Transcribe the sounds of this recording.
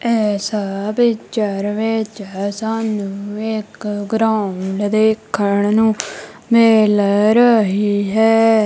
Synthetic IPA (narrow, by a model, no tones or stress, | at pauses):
ɛːsaːbit͡ʃəɾʋeːt͡ʃɛsaːnũːekɡɾãːʊld̪eːkʰːəɳnũː | meːlɾəɦiːɦɛː